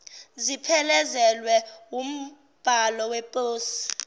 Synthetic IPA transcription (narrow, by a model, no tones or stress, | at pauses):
zipʰɛlɛzɛlwɛum̩ | b̥ʱalɔwɛpʼoːsi̥